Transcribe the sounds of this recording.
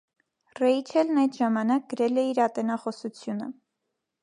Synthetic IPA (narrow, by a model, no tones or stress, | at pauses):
rɛjt͡ʃʰɛlnɑjd̪ʒɑmɑnɑk̚ɡəɾɛlɛiɾɑt̪ɛnɑχɔsut͡sʰjunə̰